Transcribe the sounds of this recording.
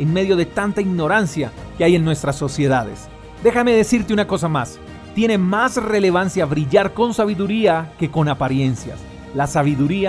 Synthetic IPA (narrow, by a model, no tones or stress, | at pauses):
enme̞ðjo̞ðe̞t̪ant̪aiɣno̞ɾansjakeaje̞nːwe̞st̪ɾasːo̞sje̞ðaðe̞̰s | d̪e̞xame̞ðe̞siɾt̪eunako̞samas | t̪je̞ne̞masre̞le̞β̞ansjaβɾiʝaɾko̞nsaβiðuɾiake̞ko̞napaɾje̞nsja̰s | lasaβ̞iðuɾia